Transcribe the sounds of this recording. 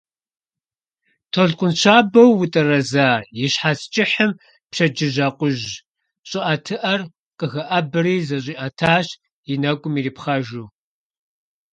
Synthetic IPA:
tʰoɮqʷʊnt͡ʃʰaːbɐwːʊtʼɐrɐzaːjɪɕħaːst͡ʃʼɪħəm | pɕɐd͡ʒɪʒɐqʷʊʒ | ɕʼɪʔɐtʰɨʔɐr | qəɣɐʔɐbɨriːzɐɕ̬ʼiːʔɐtʰaːɕ | jɪnɐɡʷʼʊmiːriːpχɐʒuː

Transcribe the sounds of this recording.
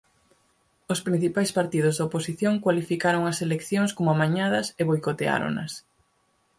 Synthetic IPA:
ospɾin̟θipajspaɾt̪iðʊzðɐoposiθjoŋkwalifikaɾoŋɐselekθjoŋskomʊamaɲað̞ɐseβojkot̪ea̰ɾo̰nɐ̰s

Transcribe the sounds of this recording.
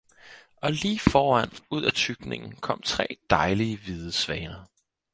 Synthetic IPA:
ʔɒ̽liːfɒːæn̰uð̞̰ˠæt͡sʰyɡ̥ne̝ŋn̩kʰɒ̽m̰t͡sʰʁɛ̰ːd̥ɑ̈ɪliəʋiðˠəsʋɛːnɐ

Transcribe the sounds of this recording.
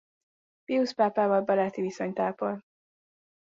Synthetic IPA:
fiuspaːpaːvɒlbɒɾaːt̪ivisoɲt̪aːpol

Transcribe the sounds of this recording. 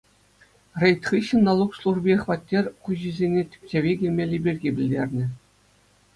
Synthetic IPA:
rʲejt̪ʲχiɕːɘ̆nːɑlˠukslˠuʐbʲiχʋɑt̪ʲːerʲkuʑizʲenʲetʲɘ̥p̚ʲtʲeʋʲiɡʲilʲmʲelʲibʲirʲɡʲibʲɘ̆lʲdʲerʲnʲɘ̆

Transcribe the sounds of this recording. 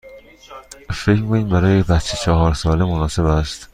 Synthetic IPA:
fecmikʰoniːmbæɾɒːjebæt̪t͡ʃʰet͡ʃʰɒɦɒːɾsɒːlemonɒːse̞bæst̪

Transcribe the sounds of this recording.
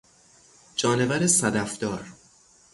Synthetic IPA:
d͡ʒɒːnevæɾesæd̪æfd̪̥ɒːɾ

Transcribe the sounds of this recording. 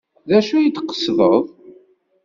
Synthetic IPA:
ðæʃujit̪ːqːə̥sðəðˤ

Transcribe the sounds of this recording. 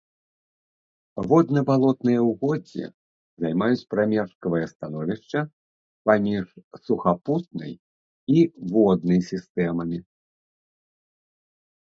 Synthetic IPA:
vɔd̪nɐbalˠɔt̪nɨjɐwɣɔd͡zʲḭ | zajmajut͡sʲpɾamʲɛʂkɐvɐjɐst̪anɔvʲiʂt͡ʂɐ | pamʲiʂsuxaput̪̚nɐ̰j | ivɔd̪̚nɐjsʲist̪ɛmɐmʲi

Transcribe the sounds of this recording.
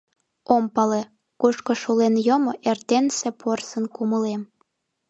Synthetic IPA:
ompɑle | kuʃkoʃulenjomoʔert̪ensĕporsənkuməlem

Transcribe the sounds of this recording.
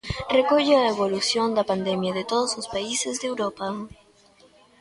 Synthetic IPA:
rekoʎeaeβolusjond̪ɐpand̪emjɐðet̪oðosospaisezðewɾopɐ

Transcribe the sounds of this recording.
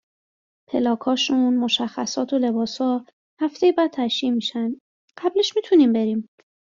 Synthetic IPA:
pʰe̞lɒːkʰɒːʃunmo̞ʃæxːæsɒːt̪ʰole̞bɒːsɒː | hæft̪e̞jebæːd̪̚t̪ʰæʃjiːmiːʃæn | ɢ̥æbleʃmiːt̪ʰuniːmbe̞ɾiːm

